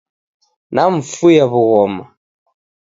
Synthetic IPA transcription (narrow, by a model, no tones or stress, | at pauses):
naɱ̩fujaβuɣɔma̰